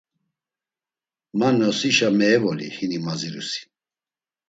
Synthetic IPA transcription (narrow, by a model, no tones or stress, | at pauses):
manɔsiʃamɛːvɔlḭhinimaziɾṵsi̥